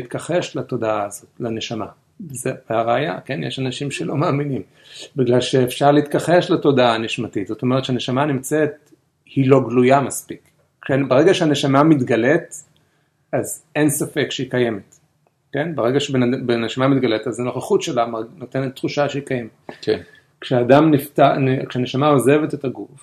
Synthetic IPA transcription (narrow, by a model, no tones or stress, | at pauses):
it̪kaχeʃlato̞daaːzo̞tlaneʃama̰ | zeveaʁeaja̰kenjeʃanaʃimʃelo̞maːminim | biɡlalʃeːfʃaʁleit̪kaχeʃlato̞daaniʃmatitz̥o̞to̞meett͡ʃʃeane̞ʃamanimt͡set̪̚ | hilo̞ɡlujamaspik | ʃebeʁeɡaʃehane̞ʃamamit̪ɡale̞t | azensafe̞kʃeikajemet | ke̞nbeʁeɡaʃebeabeneʃamamit̪ɡaletazano̞χaχutʃelamanotenet̪ːχuʃaʃeikajemetk | kʃeaːdamniftankʃeane̞ʃamao̞ze̞vetetaɡuf